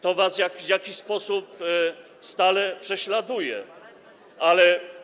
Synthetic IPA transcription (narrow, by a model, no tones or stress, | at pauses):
t̪ɔvasvʲjakvʲjakʲiɕspɔsup̚ | st̪alɛpʂɛɕlad̪ujɛ | ʔalɛ